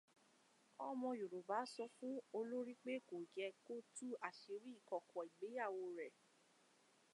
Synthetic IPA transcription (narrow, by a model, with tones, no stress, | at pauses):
ɔ˧mɔ̃˧jo˨ɾo˨ba˨˦sɔ˧fũ˦o˧lo˦ɾi˦k͡pe˦ko˨d͡ʒɛ˧ko˦tu˦a˨ʃe˨˧ɾi˦i˦˨kɔ˨kʰɔ˨i˨ɡ͡be˨˦ja˦˨wo˧ɾɛ˨